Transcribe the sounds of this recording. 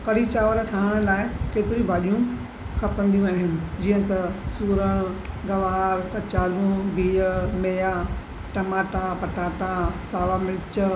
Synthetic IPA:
kɐɽ̤it͡ɕaːʋəɾʈʰaːɦəɽ̃laːɪkeːt̪ɪɾibʱaːɗijũ | kʰɐpə̃nd̪ijũaːɦɪnɪ̆d͡ʑiːə̃t̪ɐsuːɾəɽ̃ɡɐʋaːɾkɐt͡ɕaːlũbʱiːəmeːja | ʈɐmaːʈapɐʈaːʈasaːʋamɪlt͡ɕ

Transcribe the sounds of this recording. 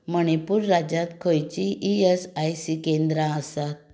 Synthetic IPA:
məɽ̃epuːɾːad͡ʑãt̪kʰojt͡ɕiʔiesajsikẽnd̪ɾãəsat̪̚

